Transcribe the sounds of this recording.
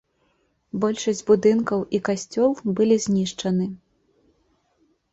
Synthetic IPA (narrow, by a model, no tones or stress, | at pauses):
bɔlʲʂɐsʲd͡zʲbud̪ɨnkɐwʔikasʲt͡sʲɔlˠbɨlʲizʲnʲiʂt͡ʂɐnɨ